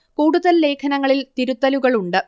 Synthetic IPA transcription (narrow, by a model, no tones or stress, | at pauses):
kuːɽuðɐlːe̞ːkʰɐnɐŋːɐɭilt̪iɾut̪ːɐluɣɐɭuɳɖɨ